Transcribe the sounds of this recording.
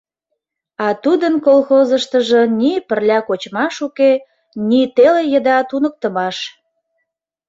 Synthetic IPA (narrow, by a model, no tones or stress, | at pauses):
ɑt̪ud̪ənkolxozəʃt̪əʒə̆nipərlʲɑkot͡ɕmɑʃuke | nit̪elejəd̪ɑt̪unək̚t̪ə̆mɑʃ